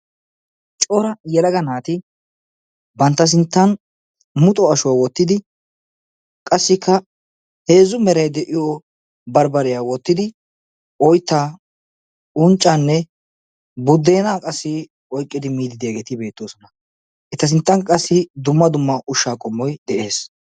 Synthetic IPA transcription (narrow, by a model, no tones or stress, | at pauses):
t͡ʃʼoːɾɐjɛlɐɡɐnaːt̪ɪ | bɐnt̪ːɐs̬ɪnt̪ːɐn | mʊt̪ʼɔɐʃʊwawɔt̪ːɪd̪ɪ | kʼɐsːɪkʰːɐ | he̞ːzʊmɛɾɐjd̪ɛʔɪjo | bɐɾbɐɾɪjawɔt̪ːɪd̪ɪ | ʔɔjt̪ːa | ʊnt͡ʃʼːanːɛ | bʊd̪ːeːnaːkʼɐsːɪ | ɔjkʼːɪd̪ɪmiːd̪ɪd̪ɪjaɡeːt̪ɪbe̞ːt̪ːoːsɔnɐ | ʔɪt̪ːɐs̬ɪnt̪ːɐŋkʼɐsːɪd̪ʊmːɐd̪ʊmːɐʔʊʃːaːkʼɔmːɔjd̪ɛʔe̞ːs